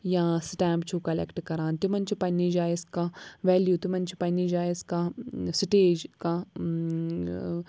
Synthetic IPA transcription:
jãːsʈɛ̃ːmpt͡ʃʰukɐlɛ̰kʈkɐɾãːnt̪imɐnt͡ʃʰipɐnid͡ʒaːiskaʋɛːljut̪umɐnt͡ʃʰi̥pɐnid͡ʒaːiskasʈeːd͡ʒka

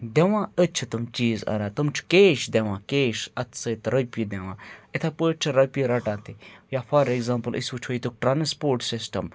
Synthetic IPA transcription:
d̪eʋãːət͡ʃʰɨt̪ɐmt͡ʃiːzɐ̰ɾaːt̪ɐmt͡ʃʰu̥keːʃd̪eʋãːkeːʃɐt̪ʰsɐt̪ɾɐpid̪eʋãːet̪ʰapəːt͡ʃʰɨɾɐpʲiɾɐʈãːt̪ijaːfʰɐɾeɡzãːmpəlʔḭsut͡ʃʰoit̪uk̚ʈɾanspoːɾʈsɪsʈɐm

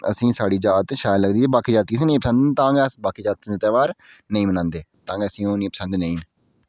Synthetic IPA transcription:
ə̰sĩːsaːɽiːd͡ʒaːt̪ʃaːjləɡd̪iːt̪eːbaːkʰiːd͡ʒaːt̪ːiːsĩːnĩːpəsə̃nd̪t̪ãːŋəsbaːkʰiːd͡ʒaːt̪ːid̪et̪ɛːʋaːɾnəĩːmənãːnd̪eːt̪ãːŋɡəsĩːoːnĩːpəsə̃nd̪nəĩː

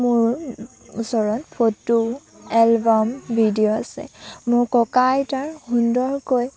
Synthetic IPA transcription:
mʊɹ | usɔɹɔnpʰotu | ɛlbɔmbʱidijoasɛ̰mʊɹkɔkajtaɹhundɔɹkoj

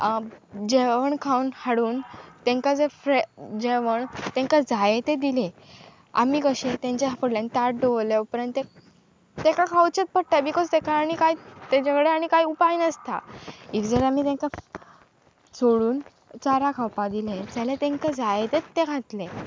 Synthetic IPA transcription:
d͡ʑeʋəɳkʰawnhaɽuːnt̪ẽŋkad͡zefɾed͡ʑeʋəɳt̪ɛ̃ŋkad͡zajet̪ed̪ile | a̰miːkəɕet̪ẽɲt͡ɕeɦapəɽlãnt̪aʈɖəlepəɾənt̪ːe | t̪ẽkakʰawt͡ɕet̪̚pəʈ̚ʈːabikod͡zd̪ekʰaːɽ̃ikajt̪ed͡ʑakɽeaɽ̃ikajupainəst̪a̰ikd͡zəɾamiːt̪ẽŋka | t͡sʰoɽuːn | t͡saɾakʰawpãd̪iled͡zalet̪ẽŋkad͡zajet̪et̪ːeɡʱat̪le

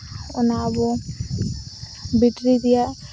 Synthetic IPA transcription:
ʊnabo | biʈɾid̪ija

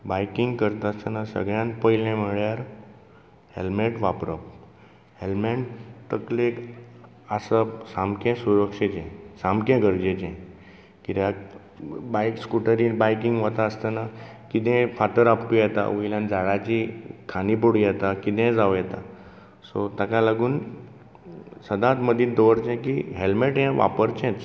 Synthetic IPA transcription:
bajkiŋɡkəɾt̪aəst̪ənasə̰ɡɭjãnpəjilẽmiɭjaɾ | helmeʈʋapɾəp̚ | helmeɳʈt̪əklek | asəsamkẽsuɾəkʂet͡ɕẽsamkẽɡəɾd͡ʑet͡ɕẽ | kit̪ja | bajkskuʈəɾiːbajkiŋɡʋət̪aəst̪əna | kit̪ɛ̃fat̪əɾapːijɛt̪a̰ũilãnd͡zaɽat͡ɕiːkʰanipoɽijɛt̪akit̪ɛ̃d͡zaʋjɛt̪a | sot̪akalaɡuːn | səd̪ãt̪məd̪ʱĩːd̪ɔʋəɾt͡ɕɛ̃kiɦelmeʈɦɛ̃ʋa̰pəɾt͡ɕɛ̃t̪

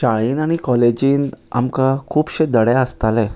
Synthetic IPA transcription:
ɕaɭiːnaɽ̃ikɔled͡ʑiːna̰mkakʰuːpɕed̪əɽjaəst̪alɛ

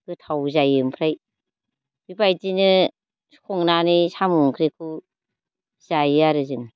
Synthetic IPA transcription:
ɡ̥ɯtʰawzajɯmpʰɾaj | b̥ibajtinɯ̥ | kʰɔŋnanisamuŋkʰɾekʰu | z̥ajaɾɯzɯŋ

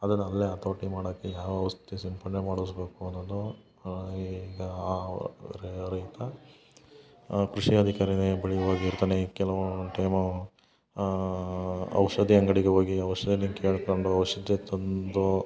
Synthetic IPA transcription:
ɐd̪ɐnːɐɐlːeɐt̪oːʈimaːɽːkːejaːʋɐɐʋɐst̪t̪isimpɐɳnemaːɽuʋsbeːkuɐnːoːd̪u | ɡɐ | ɾɐjt̪ɐ | kɾuʂiɐd̪ʱikaːɾid̪ebɐɭijɐʋaːɡiːɾt̪aːnekɛlɐʋoʈɐjmɐ | ɐ̰wʂɐd̪ʱiɐŋɡɐɽiɡeɦoːɡiɐʋɐʂɐd̪niŋkeːɭkoɳɖuɐʋɐʂɐd̪et̪ɐnd̪u

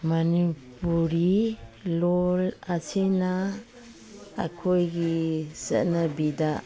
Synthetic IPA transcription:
manipuɾilolasʰina | kʰojɡizə̰nabida

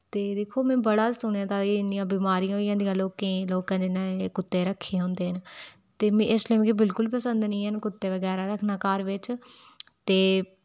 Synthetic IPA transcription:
t̪eːd̪eːkʰoːmɛ̃ːbəɽaːsʊñːãːt̪ãːiɪnijãːbiːmaːɾijãːɦoːijãːd̪ijãːloːkẽːloːkãːd͡ʒɪnːaekʊt̪ːeːɾəkʰːeːɦõːnd̪eːɦən | t̪eːmẽːɪslẽːm̃ːkɪbɪlkʊlpəsənd̪nĩːɦənkʊt̪ːeːʋəɡɛːɾaːɾəkʰnaːkaːɾʋɪt͡ʃ | t̪eː

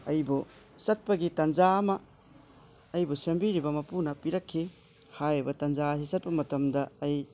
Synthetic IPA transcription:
ɐjbu | sɐt̚pɐɡitɐnd͡ʒamɐ | jbusembiɾibɐmɐpunɐpiɾɐkʰːi | hajibɐtɐnd͡ʒas̬isɐt̚pɐmɐtɐmdɐːj

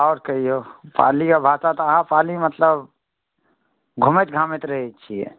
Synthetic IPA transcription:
ɔːɾkəɦiopa̰ːlikabʱaːsat̪ɔɦãpaːlimət̪ləb | ɡʱʊmet̪ɡʱaːmet̪ɾəɦɛt͡ʃʰiɛ̰

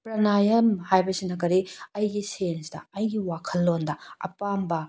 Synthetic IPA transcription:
pɾɐnajɐmhajbɐsinɐkɐɾiɐjɡisensdɐ̰ɐjɡiwakʰɐlːondɐɐ̰pambɐ

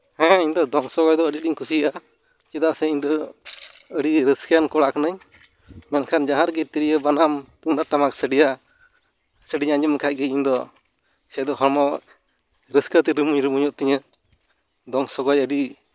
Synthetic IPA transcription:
hɛ̃iɲd̪ɔd̪ɔŋsɔɡɔjd̪ɔəɖiɗiɲkusiəʔa | t͡ʃɛd̪aʔsɛiɲd̪ɔ | əɽiɾəskankɔɽaʔkanəɲ | mɛnkʰand͡ʒaɦaɾɡɛt̪iɾijəbanamt̪und̪aɾʈamaksəɖija | səɖiɲaɲumkʰac̚ɡɛiɲd̪ɔ | sɛd̪ɔɦɔɾmɔ | ɾəskət̪ɛɾəmuɲɾəmuɲuʔt̪ɛɲə | d̪ɔŋsɔɡɔjəɖi

